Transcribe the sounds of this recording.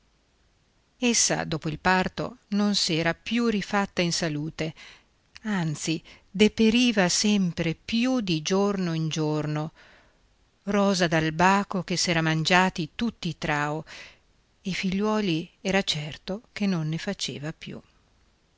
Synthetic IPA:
esːa̰d̪oːpoilpart̪o̰nonsiɛːɾapjurifat̪ːainsaluːt̪e | ant̪sid̪epeɾiːvasɛmpɾepjud̪id͡ʒornoind͡ʒorno | rɔːzad̪albaːkok̟esːɛːɾamand͡ʒaːt̪it̪ut̪ːiːt̪ɾaːo | eifiʎːwɔːliɛːɾat͡ʃɛrt̪ok̟enːonːefat͡ʃḛːvapjṵ

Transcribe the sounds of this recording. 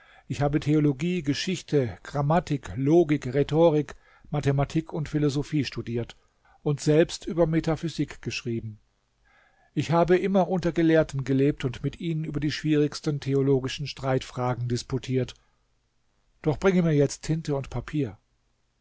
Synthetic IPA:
ʔɪçhaːbətʰeoloɡiːɡəʃɪçtʰəɡ̥ʁamatɪkloːɡɪkʁetʰoːʁɪk | matematʰikʰʊntfɪlozofiːʃtudiːɐt | ʔʊntz̥ɛlpstʔyːbɐmetafyzɪkɡ̥əʃʁ̥iːbm̩ | ʔɪçhaːbəʔɪmɐʔʊntɐɡəleːɐtn̩ɡəleːp̚tʊntmɪtʔiːnənʔyːbɐdiːʃv̥iːʁɪçstən̩tʰeoloːɡɪʃn̩ʃtʁ̥aɪtfʁ̥aːɡŋ̩dɪskutʰiːɐt | d̥ɔχb̥ʁɪŋəmiːɐjɛt͡stʰhɪntəʊntpʰapʰiːɐ

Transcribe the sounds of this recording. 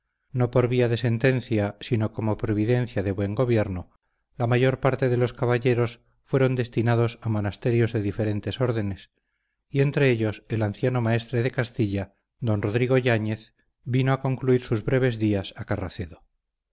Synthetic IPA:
no̞po̞ɾβiaðe̞se̞nt̪e̞n̟θjasino̞ko̞mo̞pɾo̞βiðe̞nθjaðe̞βwe̞ŋɡo̞βje̞ɾno | lamaʝo̞ɾpaɾt̪e̞ðe̞lo̞skaβaʝe̞ɾo̞s | fwe̞ɾo̞nd̪e̞st̪inað̞osamo̞nast̪e̞ɾjo̞zðe̞ðife̞ɾe̞nt̪e̞so̞ɾðe̞nes | ie̞nt̪ɾe̞eʎo̞se̞lanθjano̞mae̞st̪ɾe̞ðe̞kast̪iʎa | ðd̪o̞nro̞ðɾiɣ̞o̞ʎaɲe̞θ | binoako̞ŋkluiɾsuzβɾe̞β̞e̞zðiasakaraθe̞ðo̞

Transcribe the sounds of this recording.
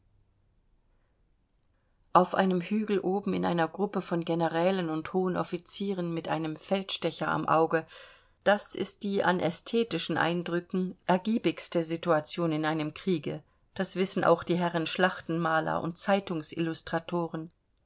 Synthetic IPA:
ʔaʊfʔa̰ɪnəmhyːɡl̩ʔoːbm̩ɪnʔa̰ɪnɐɡʁʊpəfɔnɡenəʁɛːlənʊnthoːənʔɔ̰fit͡siːʁ̞ənmɪtʔaɪnəmfɛltʃtɛçɐa̰mʔaʊɡə | d̥asɪ̰st̚d̥iːʔa̰nʔɛstʰeːtɪʃn̩ʔa̰ɪndʁʏkŋ̩ʔɛɐɡiːbɪçstəzituat͡sjoːnɪnʔaɪnəmkʁ̥iːɡə | d̥asv̥ɪsn̩ʔa̰ʊxd̥iːɦɛʁənʃlaχtn̩maːlɐ̰ʔʊ̰nt̚t͡saɪtʊŋsʔɪ̰lʊstʁ̥atʰoːʁən

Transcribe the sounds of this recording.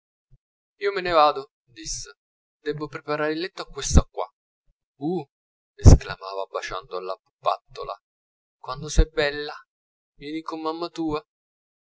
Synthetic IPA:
iːomenevaːd̪o | d̪isːe | d̪ɛbːopɾepaɾaːɾilːɛt̪ːoakːwest̪akːwa̰ | u | eskla̰maːvabat͡ʃa̰nd̪oalːa | pːa̰t̪ːo̰la̰ | kwand̪osɛbːɛlːa | mɛd̪ikomːamːat̪uːa

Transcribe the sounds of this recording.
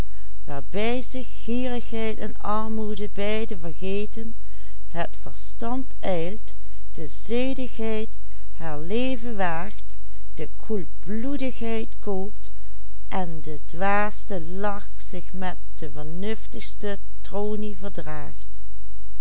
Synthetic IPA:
ʋaːɹbɛjzɪ | xiːrəxɦɛjtɛnɑɹmudəbɛjdəvəɹɣeːtən | hətfəɹstɑnt | ɛjlt | d̥əzeːdəxɦɛjt | haːɹleːvəʋaːxt | d̥əkʰulbludəxɦɛjtkoːpt | ʔɛndədʋaːstəlɑx | zɪxmɛt̚d̥əvəɹnɵftəxstə | troːnivəɹdraːxt

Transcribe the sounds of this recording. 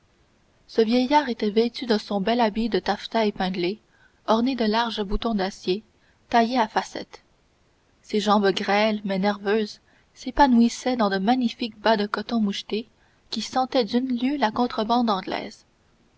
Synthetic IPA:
səvjɛjaːʁet̪ɛvet̪yd̪ɑ̃sɔ̃bɛlabid̪ət̪aft̪aepɛ̃d̪le | ɔʁned̪əlaʁʒəbut̪ɔ̃d̪asje | t̪ajeafasɛ̰t̪ | seʒɑ̃ːbɡʁɛlmɛnɛʁvøːz | sepanuisɛd̪ɑ̃d̪əmaɲifikbad̪əkɔt̪ɔ̃muʃt̪e | kʲisɑ̃t̪ɛd̪ynljølakɔ̃t̪χəbɑ̃d̪ɑ̃ɡlɛ̰ːz̥

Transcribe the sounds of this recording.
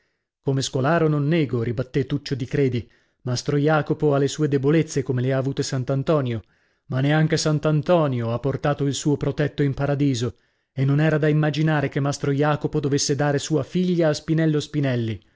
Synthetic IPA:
komeskolaːɾononːɛːɡoɾibat̪ːet̪ːut͡ʃːod̪ikɾeːd̪i | mast̪ɾojaːkopoalːesuːed̪ebolet̪sːekomeleaːvuːt̪esant̪ant̪ɔːnjo | manːeaŋk̟esant̪ant̪ɔːnjoapːort̪aːt̪oilsuːopɾot̪ɛt̪ːoimpaɾad̪iːzo | enːonɛːɾad̪aimːad͡ʒinaːɾekemːast̪ɾojaːkopod̪ovesːed̪aːɾesuːafiʎːaːspinɛlːospinɛlːi

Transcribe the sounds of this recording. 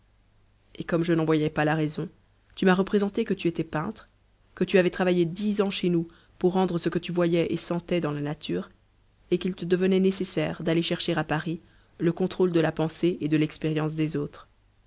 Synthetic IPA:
ekɔmʒənɑ̃vwajɛpalaʁɛzɔ̃ | t̪ymaʁəpχezɑ̃t̪ekət̪yet̪ɛpɛ̃t̪χ | kət̪yavɛt̪χavajed̪izɑ̃ʃenu | puʁːɑ̃d̪ʁəsəkət̪yvwajɛʔesɑ̃t̪ɛd̪ɑ̃lanat̪ʰyːʁ | ekilt̪əd̪əvənɛnesesɛːʁd̪aleʃɛʁʃeʁapaʁi | ləkɔ̃t̪χold̪əlapɑ̃seed̪əlɛkspeʁjɑ̃s̬d̪ezot̪χ

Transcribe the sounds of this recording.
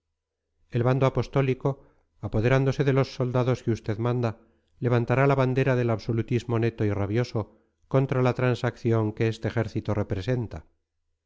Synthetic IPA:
e̞lβand̪oapo̞st̪o̞liko̞ | apo̞ð̞e̞ɾand̪o̞se̞ðe̞lo̞sːo̞ld̪aðo̞skeust̪e̞ðmãnd̪a | le̞β̞ant̪aɾalaβand̪e̞ɾaðe̞laβso̞lut̪izmo̞ne̞t̪o̞iraβjo̞so̞ | ko̞nt̪ɾalat̪ɾansakθjoŋke̞est̪e̞ːxe̞ɾθit̪ore̞pɾese̞nt̪a

